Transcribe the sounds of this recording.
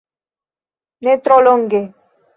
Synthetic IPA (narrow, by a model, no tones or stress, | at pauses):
net̪ɾoloŋɡe